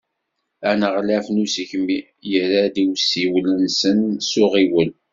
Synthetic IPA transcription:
ænəʁlæfnusiçəmi | jəɾad̪iwsiwlənsənsʊʁiwəl

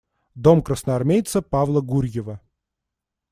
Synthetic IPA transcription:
d̪o̞mkrəsnəɐrmʲejt̪səpavlˠəɡuɾʲjɪvə

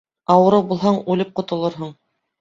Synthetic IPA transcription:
ɑwɤ̆ɾɤwbulˠɦɑɴʉlɘp̚qŏt̪ŏlˠɤɾɦɤɴ

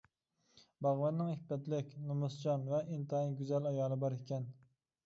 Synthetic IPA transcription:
bɑʁwɛnːɪŋibɛt̪lɪkʲnumʊsd͡ʒɑnvɛʔint̪ɨɦinɡʲyzɛlɑjɑːlˠɨbɑɾikʲʰɛn

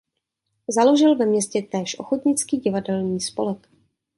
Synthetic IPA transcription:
zalo̞ʒɪlvɛmɲɛscɛt̪ɛːʃʔo̞xot̪ɲɪt͡skiːɟɪvadɛlɲiːspolɛk

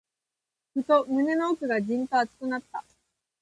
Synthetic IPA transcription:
ɸɯ̟t̪o̞mɯ̟ne̞no̞ːkɯ̟ɡaʑĩnt̪o̞at͡sɨ̥kɯ̟nat̪ːa

